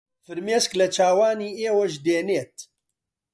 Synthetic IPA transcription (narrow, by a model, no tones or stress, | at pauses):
fɨɾmeːsklɐt͡ʃʰaːwaːniːeːwɐʒd̪eːneːt̪̚